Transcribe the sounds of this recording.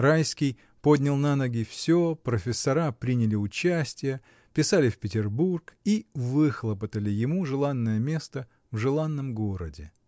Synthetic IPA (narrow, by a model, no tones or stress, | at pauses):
rajskʲij | po̞dʲnʲɪlˠnanəɡʲɪfsʲopɾəfʲɪsːɐɾapɾʲinʲɪlʲɪʊt͡ɕæsʲtʲɪjə | pʲɪsalʲɪfpʲɪtʲɪrburkivɨxlˠəpət̪əlʲɪjɪmuʐɨlˠanːəjəmʲest̪ə | vʐɨlˠanːəmɡoɾə̰dʲɪ